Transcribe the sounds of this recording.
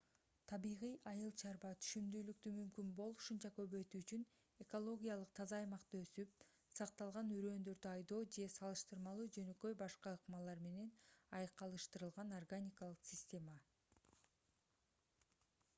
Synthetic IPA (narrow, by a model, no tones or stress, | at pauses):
t̪ʰɑβiʁijɑjɯlˠt͡ʃʰɑɾbɑt̪ʰy̥ʃymd̪yːlyk̚t̪ymymkynbo̞lˠu̥ʃunt͡ʃɑkø̞βø̞jt̪yːt͡ʃyn | e̞ko̞lˠo̞ɡʲijalˠɯq̚t̪ʰɑzɑːjmɑqt̪ɯø̞syp̚ | sɑq̚t̪ɑlˠʁɑnyɾø̞ːnd̪ø̞ɾd̪yɑjd̪o̞ːd͡ʒe̞sɑlˠɯʃt̪ɯɾmɑlˠuːd͡ʒø̞nø̞kø̞jbɑʃqɑɯqmɑlˠɑɾme̞ne̞nɑjɯqːɑlˠɯʃt̪ɯɾɯlˠʁɑnorɡanʲikalˠɯqsʲɪsʲtʲe̞ma